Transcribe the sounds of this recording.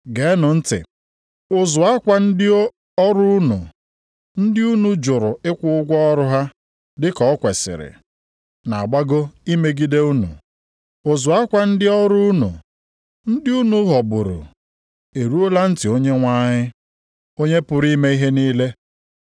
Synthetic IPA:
ɡe˨˦nʊ˨n̩˦tɪ̰˨ | ʊ˨zʊ˨a˦kʷa˦n̩˦dɪ˦ | ɔ˦ɾʊ˦u˦nṵ˨ | n̩˦dɪ˦u˦nu˨d͡ʒʊ˨ɾʊ˨ɪ˦kʷʊ˦ʊ˦ɡʷɔ˦ɔ˦ɾʊ˦ɦa˦ | dɪ˦kɔ˨˦kʷe˨sɪ̰˨ɾɪ̰˨ | na˨ɡ͡ba˦ɡo˦i˦me˦ɡi˦de˦u˦nṵ˨ | ʊ˨zʊ˨a˦kʷa˨n̩˦dɪ˦ɔ˦ɾʊ˦nṵ˨ | n̩˦dɪ˦u˦nu˦ɦɔ˨bʊ˨ɾʊ̰˨ | e˨ɾu˦o˦la˦n̩˦tɪ˨o˦ɲe˦ŋʷa˦ɲɪ˦ | o˦ɲe˦pʊ˨ɾi˦me˦i˦ɦe˦niː˦le˦

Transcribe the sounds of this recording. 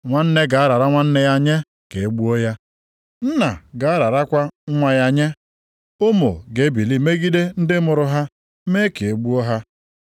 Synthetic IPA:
ŋʷa˦n̩˦ne˦ɡa˨a˦ɾa˨ɾa˦ŋʷa˦n̩˦ne˦ja˦ɲe˦ | ke˨e˦ɡ͡bu˦o˦ja˦ | n̩˦na˨ɡa˨a˦ɾa˨ɾa˦kʷa˦ŋʷa˦ja˦ɲe˦ | ʊ˦mʊ̰˨ɡe˨˦bi˨li˦me˦ɡi˦de˦n̩˦dɪ˦mʊ˨ɾʊ˨ɦa˦ | me˦ke˨e˨ɡ͡bu˦o˦ɦa˦

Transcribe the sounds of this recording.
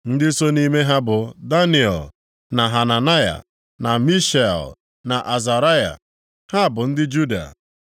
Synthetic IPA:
n̩˦dɪ˦so˦ni˦me˦ɦa˦bʊ˨da˦ni˨ɔ̰˨l | na˨ɦa˨na˨na˦ja̰˨ | na˨mi˦ʃa̰˨l | na˨ʔa˨za˨ɾa˦ja̰˨ | ha˦˨bʊ˨n̩˦dɪ˦d͡ʒu˦da̰˨

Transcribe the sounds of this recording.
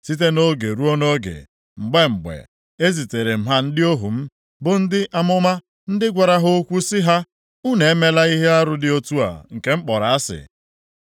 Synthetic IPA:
si˦t̬e˦no˦ɡe˨ɾu˦o˦no˦ɡḛ˨ | ŋ͡m̩˨ɡ͡be˦ŋ͡m̩˨ɡ͡bḛ˨ | e˦zi˨te˨ɾe˨m̩˦ɦa˦n̩˦dɪ˦o˦ɦu˨m̩˦ | bʊ˨n̩˦dɪ˦ʔa˦mʊ˦ma˦ | n̩˦dɪ˦ɡʷa˨ɾa˦ɦʊ˦kʷu˦sɪ˦ɦa˦ | u˦ne˨e˦me˦la˦i˦ɦe˦a˦ɾʊ˨dɪ˨o˦tu˦a̰˨ŋ̩˨ke˦ŋ͡m̩˦k͡pɔ˨ɾa˨a˦sɪ̰˨

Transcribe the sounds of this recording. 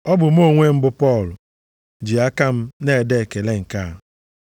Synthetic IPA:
ɔ˦bʊ˨m̩˦o˦˨ŋʷe˦m̩˦bʊ˦pɔ˦˨lʊ˨ | d͡ʒi˨a˦ka˦m̩˦ne˦e˨de˦˨ke˨le˦ŋ̩˨ka˦˨

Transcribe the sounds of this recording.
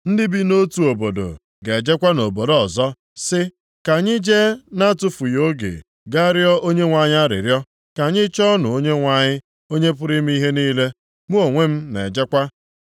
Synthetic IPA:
n̩˦dɪ˦bi˦no˦tu˨o˨bo˨do̰˨ | ɡe˨d͡ʒe˦kʷa˦no˨bo˨dɔ˨zɔ˦ | sɪ˦ | ka˨ɲɪ˦d͡ʒe˦na˦tʊ˦fu˨jo˦ɡḛ˨ | ɡa˦ɾjɔ˦ʔo˦ɲe˦ŋʷa˨ɲ˦a˦ɾɪ̰˨ɾjɔ˦ | ka˨ɲɪ˦t͡ʃɔ˦nʊ̰˨o˦ɲe˦ŋʷa˨ɲɪ˦ | o˦ɲe˦p̬ʊ˦ɾɪ˦m̩˦i˦ɦe˦niː˦le˦ | mu˦o˨ŋʷe˦m̩˦ne˨d͡ʒe˦kʷa˦

